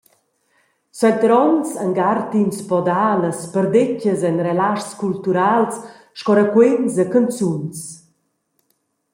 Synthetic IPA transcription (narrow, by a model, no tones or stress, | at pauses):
sɔjt̪ɾɔnsəŋɡart̪inspɔd̪aləspərd̪ecəzɛnrelaʃskult̪uɾals | ʃkɔɾəkwensəkənt͡sjuns